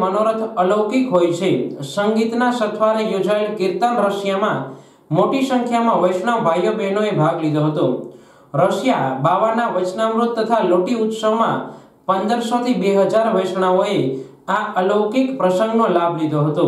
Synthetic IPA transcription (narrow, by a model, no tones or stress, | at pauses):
mənoɾət̪ʰələʋkikɦojt͡ʃʰesəŋɡit̪nasət̪ʰʋaɾejod͡ʒaelkɪɾt̪ənɾəʃjamã | moʈisəŋkʰjamãʋəjsɳ̃abʱajobenoebʱaɡlid̪oɦət̪õ | ɾəʃjabaʋanaʋət͡ʃnamɾut̪ːət̪ʰaloʈiut̪səʋmã̰ | pənd̪əɾsot̪ʰibeɦəd͡ʒaɾʋəjʃɳ̃aoe | aələwkikpɾəsə̃ŋɡnolabʱlid̪ʱoɦət̪o